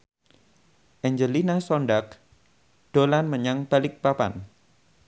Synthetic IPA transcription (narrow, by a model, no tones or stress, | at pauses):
ʔɛɲd͡ʒəlinasɔnɖak̚ | ɖ̥olanməɲaŋb̥alɪk̚papa̰n